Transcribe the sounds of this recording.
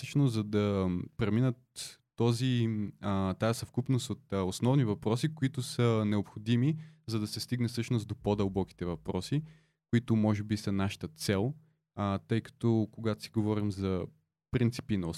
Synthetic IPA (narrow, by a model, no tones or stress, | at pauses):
əʃnʊszɐd̪ɐpɾɛminət̪ː | ɔzi | t̪ajəsɐfkupnost̪ot̪osnɔvnivɐpɾɔsikoit̪ʊsənɛopxod̪imizɐd̪ɐsɛst̪iɡnɛsɤʃnʊzd̪opod̪əlˠbɔki̥t̪ɛvɐpɾɔsi | kʊit̪ʊmɔʒɛbisɐnaʃɐ̥t̪ət̪sɛlˠ | t̪ɤjkɐ̥t̪ɔkoɡat̪ʊ̥si̥ɡovɔɾimzɐ | pɾint̪si̥pinɐo